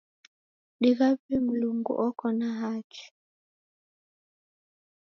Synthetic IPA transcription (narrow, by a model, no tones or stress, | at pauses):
ɗiɣaβimuluŋɡṵʔɔkɔnaɦaki̥